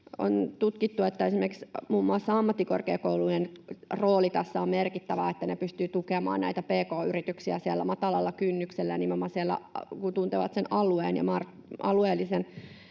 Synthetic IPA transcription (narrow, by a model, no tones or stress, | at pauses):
o̰nt̪ut̪kit̪ːuet̪ːæesimerksmuːmːuɑsːɑɑmːɑt̪ːiko̰rkḛːkouluenroːlit̪ɑsːɑommerkit̪ːæʋæːet̪ːænepyst̪yːt̪ukemɑ̰ːnnæ̰it̪æpeːkoːyrit̪yksiæsiælːæmɑt̪ɑlɑlːɑkynːykselːænimomːɑsielːæ̰kunt̪unt̪eʋɑ̰t̪senɑlueːnjɑ̰mɑr | ɑlueːlːisen